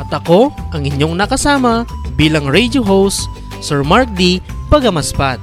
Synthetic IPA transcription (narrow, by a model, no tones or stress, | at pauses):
ʔɐt̪ɐko̞ʔɐŋɪɲjo̞ŋnɐkɐsaːmɐbiːlɐŋɹɛjd͡ʒoɦowsː | ɛɹmaɹk̚d̪ipɐɡɐmɐspat̪